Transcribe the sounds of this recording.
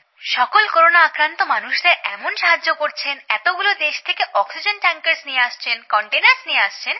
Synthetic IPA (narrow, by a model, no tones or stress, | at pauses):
ʃɔkolkoɾonaakɾant̪omanuʃd̪eɾɛmonʃaɦad͡ʑːokoɾt͡ɕʰenɛt̪oɡulod̪eʃt̪ʰekeʔɔksid͡ʑenʈaŋkeɾsnieaʃt͡ɕʰenkɔɳʈenaɾsnieaʃt͡ɕʰen